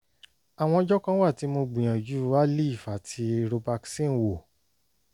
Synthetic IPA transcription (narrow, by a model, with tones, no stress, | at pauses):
a˨w̃ɔ̃˧ɔ˧˦d͡ʒɔ˦kã˦wa˦˨ti˨˦mo˧ɡ͡bĩ˨j̃ã˨d͡ʒu˨˦wa˦li˦i˦˨fa˨tʰi˧ɾo˧ba˧ksĩ˦˨wo˨